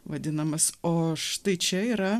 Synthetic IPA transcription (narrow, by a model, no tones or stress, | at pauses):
ʋɐd̪ʲɪnɐmɐsoːʃt̪ɐɪt͡ʃʲɛiːɾɐ